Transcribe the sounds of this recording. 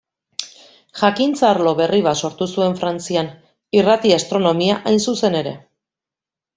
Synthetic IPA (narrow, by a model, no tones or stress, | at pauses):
ʝakint͡saɾlo̞βe̞riβ̞aso̞ɾt̪usue̞ɱfɾant͡sian | irat̪iast̪ɾo̞no̞miaʔajnsuse̞ne̞ɾe̞̰